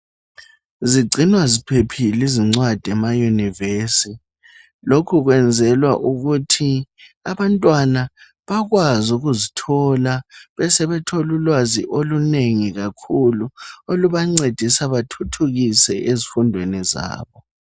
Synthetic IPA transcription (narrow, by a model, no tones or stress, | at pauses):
ziɡ͡ǀʱinwazipʰepʰiliziŋ͡ǀwad̥ʱɛmajunivesi | lokʰuɣwɛnd͡zʱɛlwa̰ʔuɣutʰiaβantʼwana | βaɣwazuɣuzitʰɔlaβɛsɛβɛtʰolulwaziʔoluneŋiɣakʰuluoluβaŋ͡ǀed̥ʱisaβatʰutʰuɣisɛezifundʱweniza̰ːβɔ